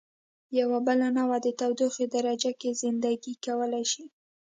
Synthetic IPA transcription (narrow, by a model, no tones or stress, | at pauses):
jawabəlanawad̪ət̪awd̪uxed̪aɾad͡ʒakezɪnd̪aɡikawəlajʃi